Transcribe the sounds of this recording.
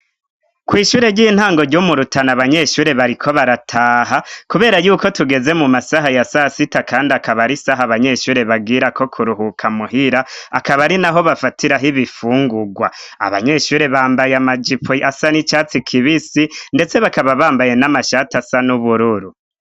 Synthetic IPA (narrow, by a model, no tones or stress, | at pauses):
kwiːʃuːɾe̞ɾɟiːn̥haːŋɡo̞ɾɟomuɾutanaβaɲe̞ʃuːɾe̞βaɾikʰo̞βaɾatʰaːɦakuβe̞ːɾajuːko̞tuɡe̞ze̞mumasaɦajasasitakʰaːndiakaβaɾisaɦaβaɲe̞ʃuːɾe̞βaɡiɾakʰo̞kʰuɾuɦukʰamuɦiɾaakaβaɾinaɦo̞βafatʰiɾaɦiβifuːŋɡuɡwaa̰βaɲe̞ːʃuːɾe̞βaːmbajamad͡ʒipoasanit͡ʃaːt͡sikʰiβisinde̞t͡se̞βakaβaβaːmbaje̞namaʃatasanuβuɾuɾu